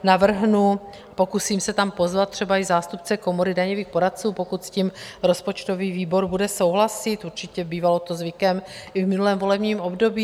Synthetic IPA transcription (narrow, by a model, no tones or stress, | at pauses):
navr̩ɦnu | apo̞kusiːmsɛt̪ampo̞zvat̪̚t̪ːr̝̥ɛbaɪzaːst̪up̚t͡sɛko̞moɾɪdaɲoviːxpo̞ɾat̪̚t͡suːpo̞kut̪scimɾo̞spo̞t͡ʃt̪o̞viːviːbo̞ɾbudɛso̞wɦlasɪt̪uɾt͡ʃɪcɛbiːvalo̞t̪o̞zvɪkɛmɪvmɪnulɛːmvo̞lɛbɲiːmo̞bdo̞biː